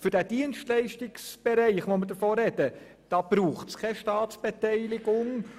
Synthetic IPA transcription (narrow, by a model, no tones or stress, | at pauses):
fʏɾd̥æd̥iənstlɛɪʃtɪksb̥eɾɛɪχʋoməɾdəɾfoːɾɛd̥ə | d̥ɑb̥ɾuːχtskʰɛʃtɑːt̪sb̥etɛɪlɪɡ̥ʊŋ